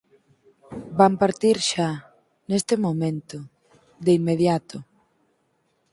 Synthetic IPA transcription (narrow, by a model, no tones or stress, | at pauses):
bampaɾt̪iɾʃa | nest̪ɪmomẽnt̪ʊ | ðeimːeðjat̪ʊ